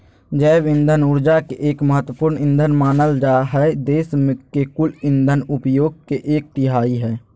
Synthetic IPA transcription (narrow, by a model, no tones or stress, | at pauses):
d͡ʒəːbɪ̃nd̪ʱənʊɾd͡ʒakeʔeːkməɦət̪wəpʊːɾnɪ̃nd̪ʱənmaːnəld͡ʒaɦɛd̪eːsmẽkekʊlɪnd̪ʱənʊpjoːɡ̚keʔeːk̚ʈɪɦaːiɦɛː